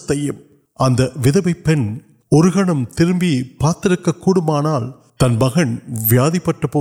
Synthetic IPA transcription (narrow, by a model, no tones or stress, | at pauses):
t̪ːɐjɯm | ʔɐnd̪ɐʋɪðɐbɐɪpːɛn | ɔɾɯɣɐɳɐmt̪ɪɾɯmbipaːɾt̪ɪɾɯkːɐkːuːɽɯmaːnaːl | t̪ɐnmɐɣɐɳʋɪjaːðipːɐʈːɐpoː